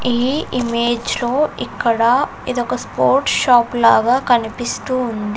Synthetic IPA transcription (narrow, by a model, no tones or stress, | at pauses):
iːimeːd͡ʒlo̞ːikːɐɽɐ | id̪ɔkɐspoːɾʈʃaːplaːɡaːkɐnipist̪uːnd̪i